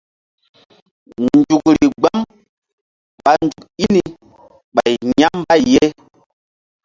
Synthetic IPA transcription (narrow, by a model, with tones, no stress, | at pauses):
nn˨d͡ʒu˨kɾi˨ɡ͡ba˦m | ɓa˨nd͡ʒu˨ki˦ni˨ | ɓa˨jɲa˦m˦ba˦i˨je˦